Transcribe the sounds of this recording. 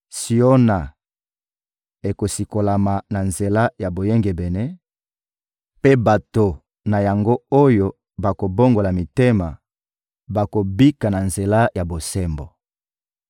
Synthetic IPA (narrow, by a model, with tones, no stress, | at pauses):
si˨o˦na˨ | e˨ko˨si˨ko˨la˨ma˨na˨nze˨la˦ja˨bo˨je˦ŋɡe˨bɛ˨nɛ˦ | pe˦ba˨to˨ | na˨ja˨ŋɡo˦o˦jo˨ | ba˨ko˨bo˦ŋɡo˨la˨mi˨te˦ma˨ | ba˨ko˨bi˦ka˨na˨nze˨la˦ja˨bo˨sɛ˦mbo̰˨